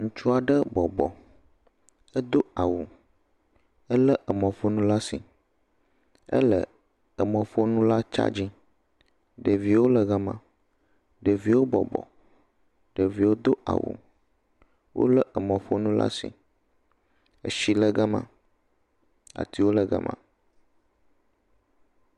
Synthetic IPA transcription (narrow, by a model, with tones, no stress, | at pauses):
ŋũ˦t͡ʃu˦a˨ɖə˦bɔ˨bɔ̰˨ | ə˦d̪o˦a˨wu˨ | ə˦lə˦ʔə˨mɔ̃˨fo˦nũ˦la˦sḭ˨ | ə̰˦lə̰˨ | ə˨mɔ̃˨fo˦nũ˦la˦t͡ʃa̰˦d͡ʑi˦ | ɖə˨vi˨wo˦lə˨ɣa˦mã̰˨ | ɖə˨vi˨wo˦bɔ˨bɔ̰˨ | ɖ̥ə˨vi˨wo˦d̪o˦ʔa̰˨wṵ˨ | wʔo̰˦lə˦ʔə˨mɔ̃˨ɸo˦nũ˦la̰˦sḭ˨ | ə̰˨ʃi˨lə˦ɡə˦mã̰˨ | a̰˨t̪i˦wo˦lə˨ɡə̰˨mã̰˨